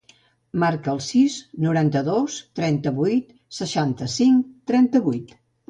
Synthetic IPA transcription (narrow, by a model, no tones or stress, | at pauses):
maɾkəːlˠsiznuɾant̪əðost̪ɾɛnt̪əβujt̪ | səʃant̪əsiŋt̪ːɾɛnt̪əβujt̪